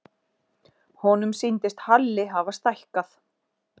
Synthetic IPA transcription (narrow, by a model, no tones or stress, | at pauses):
hɔnʏmsijnt̪ɪst̪halːɪɦavast̪ajhkaθ